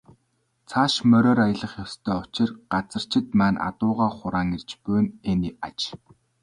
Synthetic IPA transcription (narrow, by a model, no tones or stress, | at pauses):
t͡sʰaːʃmœɾʲɔːɾajə̆ɮə̆χjɔwst̪ʰœːʊt͡ɕɪ̆rɢat͡sə̆r̥t͡ɕʰɪ̆t̪mæːnʔa̰t̪ʊːʁaːχʊɾaːŋer̥t͡ɕpʊjnenia̰t͡ɕ